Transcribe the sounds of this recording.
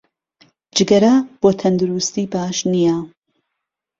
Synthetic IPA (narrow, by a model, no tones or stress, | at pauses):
d͡ʒɨɡɐɾaːb̥oːt̪ʰɐnd̪uɾust̪iːbaːʃnija